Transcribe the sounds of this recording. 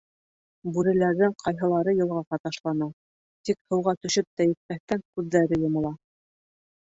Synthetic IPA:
bʉɾɘ̆læɾðɘŋqʰɑjɦɤ̆lˠɑɾɤjɤ̆lˠʁɑqɑt̪ɑʃlˠɑnɑ | t̪ikhɤ̆wʁɑt̪ɵ̆ʃɘp̚t̪æjɘ̆t̪̚mæθt̪æŋkʉðːæɾɘjŏmɤ̆lˠɑ

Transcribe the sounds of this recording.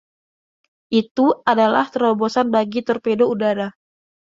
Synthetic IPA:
ʔit̪uadalaht̪əɾɔbosanbaɡit̪ɔrpedoudaɾa

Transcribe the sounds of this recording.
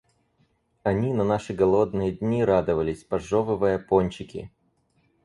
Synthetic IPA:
ɐnʲinɐnaʂɨɡɐlˠod̪nɨjədʲnʲiɾad̪ɨvəlʲɪsʲpɐʐovɨvɨjəponʲt͡ɕɪkʲɪ̰

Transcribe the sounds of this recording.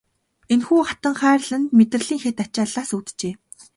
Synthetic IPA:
enxuːχat̪ə̆ŋχæːrɮə̆nt̪met̪rə̆ɮiːŋxet̪at͡ɕaːɮaːsut̪t͡ɕeː

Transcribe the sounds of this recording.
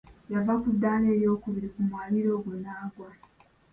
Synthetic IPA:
javakudːaːne̞ːɾjo̞ːkuβiɾikumwaːliɾo̞ːɡwunaːɡwa

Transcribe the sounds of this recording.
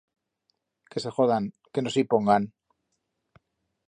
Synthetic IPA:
kese̞xoðan | ke̞nosipoŋɡan

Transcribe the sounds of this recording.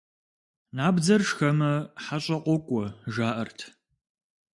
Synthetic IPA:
naːbd͡zɐrʂxɐmɐħaɕʼɐqʷɔkʷʼɔʒaːʔɐrtʰ

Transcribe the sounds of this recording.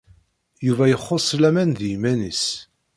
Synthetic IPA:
juvæjəχːosˤːlæmænðijmænis

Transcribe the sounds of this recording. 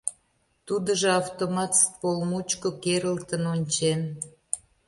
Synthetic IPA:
t̪ud̪əʒeɑft̪omɑt̪st̪polmut͡ɕkokeɾəlt̪ənonʲt͡ɕen

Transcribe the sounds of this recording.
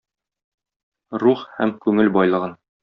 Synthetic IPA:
ɾuχhæmkʉŋɘlbɒjlˠɤ̆ʁɤn

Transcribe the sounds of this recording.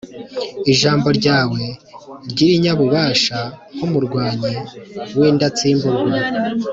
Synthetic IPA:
iʒaːmbo̞ɾɟaːwe̞ɾɟiɾiɲaβuβaːʃaŋ̥umuɾɡwaːɲewiːndat͡siːmbuɾɡwa

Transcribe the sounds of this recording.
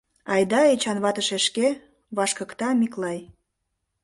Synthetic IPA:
ɑjd̪ɑet͡ɕɑnβɑt̪əʃeʃke | βɑʃkə̆kt̪ɑmiklɑj

